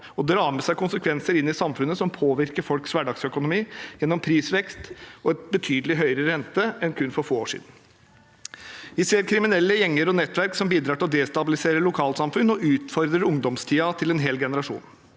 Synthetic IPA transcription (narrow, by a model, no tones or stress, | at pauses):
ɔd̪ɾɑːməsæɪkʊnsəkʰʋɛnsəɾɪnːɪsɑmfʉnːəsɔmpʰoːʋɪɾkəɾfɔlksʋæɖɑɡsœkʊnʊmiːjɛnːɔmpʰɾiːsʋɛkst̪ɔɛt̪̚bət̪ʰyːd̪əlɪɦœʏɾəɾɛnt̪əɛnkʰʉnːfɔɾfoːoːʂḭːd̪n̩ | ʋɪseːɾkʰɾɪmɪnɛlːəjɛŋːəɾɔnɛt̪ːʋæɾksɔmbiːd̪ɾɑːʈɪlɔd̪ɛːst̪ɑbɪlɪseːɾəlʊkʰɑːlt̪sɑmfʉnɔʔʉːt̪fɔɾd̪ɾəɾʊŋd̪ɔmst̪ʰiːɑt̪ʰɪlɛnɦeːlɡɛnəɾɑʂṵːn